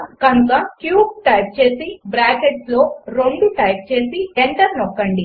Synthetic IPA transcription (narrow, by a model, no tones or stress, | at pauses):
kɐnt̪ɐkjuːb̚ʈɐjp̚t͡ʃe̞ːsibɾaːkeʈslo̞ːɾoɳɖuʈɐjp̚t͡ʃe̞ːsieɳʈɐɾnɔkːɐɳɖi